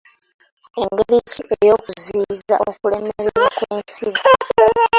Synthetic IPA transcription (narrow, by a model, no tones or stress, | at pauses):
e̞ŋɡeɾiciʔejo̞ːkuziːza̰ʔokule̞meɾeɾakweːnsiɡa